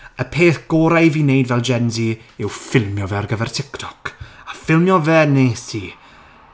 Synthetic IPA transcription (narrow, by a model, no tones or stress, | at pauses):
əpʰeːθɡ̥ɔːɾajviːnejdvɛlˠd͡ʒɛnziɪwfɪlˠmjɔvɛrɡəvɛrtʰɪktʰɔkafɪlˠmjɔvɛneːsi